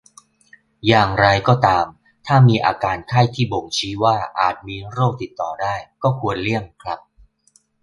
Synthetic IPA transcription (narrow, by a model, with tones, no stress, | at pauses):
jaː˨˩ŋɾa˧jkɔː˥˩t̪aː˧m | t̪ʰaː˥˩miː˧ʔaː˧kaː˧nkʰa˥˩jt̪ʰiː˥˩bo˨˩ŋt͡ɕʰiː˦˥waː˥˩ʔa̰ː˨˩t̪̚miː˧ɾoː˥˩k̚t̪i˨˩t̪ːɔː˨˩daː˥˩jkɔː˥˩kʰu˧ənli˥˩əŋkʰɾa˦˥p̚